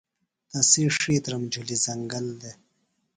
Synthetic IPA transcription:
t̪ɐsiʂiːt̪ɾɐmd͡ʑulizɐŋɡɐld̪e

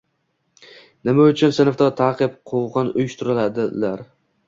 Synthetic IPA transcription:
nɪmaʊt͡ʃʰʊnsɪnft̪ɒt̪ʰaːqɨpqʰoʁɑnʊ̰jʊʃt̪ʰʊɾɪlad̪ɪlaɾ

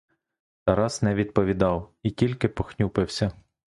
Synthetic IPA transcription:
t̪ɐɾɑznɛʋʲid̪̚pɔʋʲid̪ɑwitʲilʲkɪpɔxnʲupɪwsʲɐ

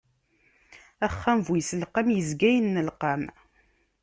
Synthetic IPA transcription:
æχːæmvujsəlqamjəzɡæjənːəlqam

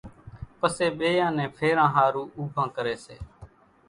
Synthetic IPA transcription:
pəseːɓeːjãːnɛ̃ːpʰeːɾãːɦaːɾuːʔuːbʱãːkəɾeːsḛː

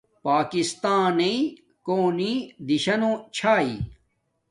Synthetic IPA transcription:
paːkist̪aːne | koːnid̪iɕɐnõt͡ɕʰaːḭ

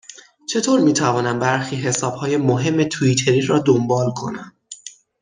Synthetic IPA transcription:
t͡ʃʰe̞t̪ʰoːɾmiːt̪ʰævɒːnæmbæɾxiːɦe̞sɒːb̥hɒːje̞moɦe̞mːe̞t̪ʰuit̪ʰe̞ɾiːɾɒːd̪ombɒːlkʰo̞̰næm

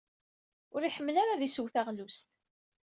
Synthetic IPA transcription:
ʊɾiħəmːlaɾaðisuwθaʁlust̪

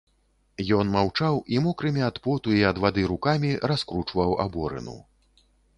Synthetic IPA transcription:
jɔnmawt͡ʂawimɔkɾɨmʲiat̪pɔt̪uiɐd̪vad̪ɨɾukamʲiɾaskɾut͡ʂvɐwa̰bɔɾɨ̰nṵ

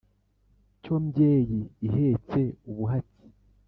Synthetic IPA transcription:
co̞mbjeːjiːɦe̞ːt͡se̞uβuɦati̥

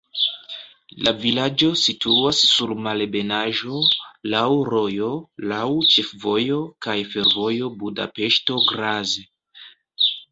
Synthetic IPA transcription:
lavilad͡ʒo̞sitʰuasːuɾmalbe̞naʒo̞lawɾo̞jo̞lawt͡ʃe̞fvo̞jo̞kajfe̞ɾvo̞jo̞buda̰pe̞ʃto̞ɡɾaze

